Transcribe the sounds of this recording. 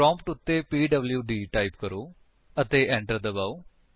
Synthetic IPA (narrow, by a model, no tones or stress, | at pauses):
pɾɔ̃ːmpʈʊt̪ːepiːɖəbljuːɖiːʈaːɪpkəɾoː | ət̪eːʔɛ̃ːɳʈəɾd̪əbaːoː